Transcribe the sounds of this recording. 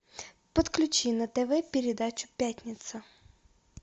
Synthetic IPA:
pɔt̪klʲut͡ʃinɐt̪ɛʋɛpʲeɾʲed̪at͡ʃʲʊ̥pʲjatʲnʲɪt̪sɐ

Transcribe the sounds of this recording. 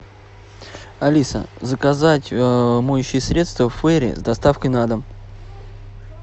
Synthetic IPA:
ɐlʲisə̰zəkazatʲmojʊɕːɪjsɾʲet̪st̪vəfːɛɾʲɪ̰zd̪ɐst̪afkəjnad̪əm

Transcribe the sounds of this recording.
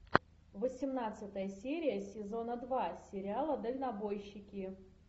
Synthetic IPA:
vəsʲɪmnat̪sɨt̪əjəsʲeɾʲɪjəsʲɪzo̞nəd̪vasʲɪɾʲɪalˠəd̪əlʲnɐbo̞jɕːɪkʲɪ

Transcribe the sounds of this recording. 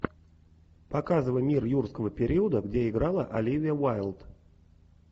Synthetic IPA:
pɐkazəvəjmʲirjurskəvəpʲɪɾʲiəd̪əɡdʲeɪɡɾalˠəʔɐlʲivʲɪjəvajlˠt̪

